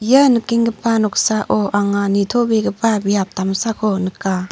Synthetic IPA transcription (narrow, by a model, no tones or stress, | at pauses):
jənɯkːiŋɡəpanɔk̚saʔɔʔaŋanitʰobeɡəpʰabijap̚tamsakʰɔnɯka